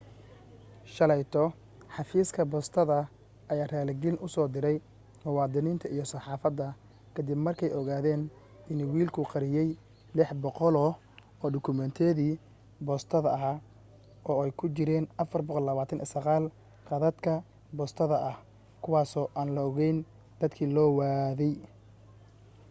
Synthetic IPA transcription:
ʃɐlɛjt̪ʰɔ | ħɑfiːskʰɐbɔːst̪ʰɐðɐ | ʔɐjaːraːlɪɡɪlnʔʊsɔːd̪ɪɾɛj | mʊwɑːd̪ɪniːnt̪ʰɐʔijɞsɑħɑːfɐd̪ːɐ | kʰɐd̪ɪbmɐrkʰɛjɔɣaːðɛːn | bɪnwiːlkʰʊqɑɾɪjɛj | lɪħbɔqɔlɔː | ɔːɖʊkʰʊmɛnt̪ʰɛːðiː | bɔːst̪ʰɐðɐɐɦaː | ʔɔːɛjkʰʊt͡ʃɪɾɛːnɐfɐrbɔqɔlːɐβaːt̪ʰɐnʔɛ̰sɐɣaːl | qɑðɐd̪kʰɐ | bɔːst̪ʰɐðɐʔɐh | kʰʊwɑːsɔːʔaːnlɐɔɣɛjn | d̪̥ɐd̪kʰiːlɔːwaːðɛj

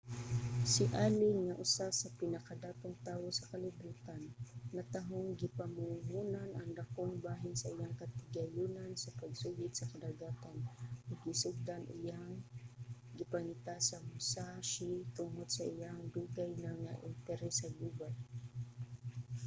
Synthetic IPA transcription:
sɪʔaːlɪŋːɐʔʊsasɐpɪnɐkɐd̪aːt̪oŋt̪aːwosɐkɐlɪbuːt̪anːɐt̪ɐɦoŋɡɪpɐmʊŋuːnanʔɐŋd̪ɐkoŋbaːɦɪnsɐʔɪjaŋkɐt̪ɪɡɐjuːnansɐpɐɡsuɡɪt̪̚sɐkɐd̪aɡaːt̪anɐɡɪsʊɡ̚d̪anʔɪ̰jaŋ | ɡɪpɐŋɪt̪asɐmʊsaʃit̪ʊŋod̪̚sɐʔɪjaŋd̪uːɡajnɐŋaʔɪ̰nt̪ɛɾɛsɐd̪uːɡaj

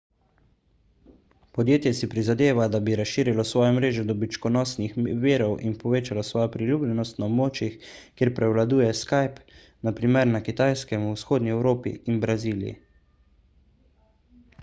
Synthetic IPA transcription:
pɔd̪jeːt̪jɛsipɾizad̪eːʋad̪abiɾasʃiːɾilɔsʋɔːjɔmɾeːʒɔd̪ɔbit͡ʃkɔnɔːsnixʋeːɾɔwʔinpɔʋeːt͡ʃalɔsʋɔːjɔpɾiljuːblʲɛnɔst̪naɔbmoːt͡ʃjixkjeːɾpɾɛwlad̪uːjɛskajp | napɾiːmɛɾnakit̪ajskɛmusxoːd̪niɛwɾoːpḭinbɾaziːlijḭ

